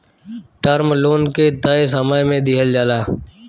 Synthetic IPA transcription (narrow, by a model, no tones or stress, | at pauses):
ʈəːɾmloːnket̪aːesəmaːjmẽːd̪ɪːɦəld͡ʒaːlaː